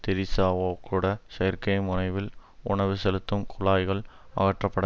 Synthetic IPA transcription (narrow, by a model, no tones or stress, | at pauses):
t̪ɪɾɪsaːʋoːkʰːuːɽɐsɐɐɾkɐɪmʊnɐɪʋɪlʊ̰ɳɐʋɯsɛlɯt̪ːɯmkʰʊlaːjɣɐɭɐ̰ɣɐʈrɐpːɐɽɐ